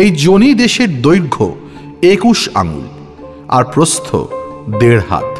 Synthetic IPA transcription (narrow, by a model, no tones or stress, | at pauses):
ejd͡ʑonid̪eʃeɾd̪ojɾɡʱo̰ | ekuʃa̰ŋṵl | a̰ɾpɾost̪ʰo̰d̪eɾɦa̰t̪